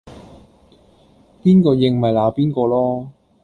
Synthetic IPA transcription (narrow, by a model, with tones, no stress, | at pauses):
piː˥nkɔː˧jɪ˨˧ŋmɐ˨jlaː˨˥piː˥nkɔː˧lɔː˥